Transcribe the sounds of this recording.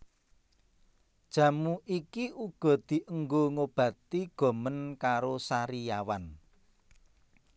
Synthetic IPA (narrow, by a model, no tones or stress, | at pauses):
d̥ʒ̥ä̤muʔikiʔuɡ̥ɔ̤d̪̥i̤ʔəŋɡoŋob̥ä̤t̪iɡ̥ɔ̤mənkaɾosaɾijawan